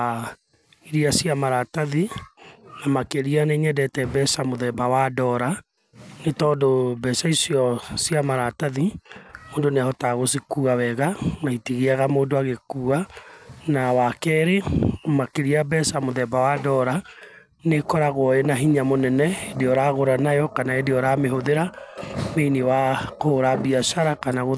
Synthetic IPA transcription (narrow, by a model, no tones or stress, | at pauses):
iɾiasiamaɾataði | namakeɾianeŋɛdɛtɛbɛsamoðɛbawadɔɾa | netɔdobɛsaisjɔsjamaɾataðimoːndoneahɔtaɣos̬ikuawɛɣanaitiɣiaɣamoːndoaɣekuːanawakɛɾemakeɾiabɛsamoðɛbawadɔɾa | nekɔɾaɣoɔenaɦiɲamonɛnɛedeɔɾaɣoɾanajɔkanaedeɔɾameɦoðeɾameinewakoɾabiaʃaɾakanaɣo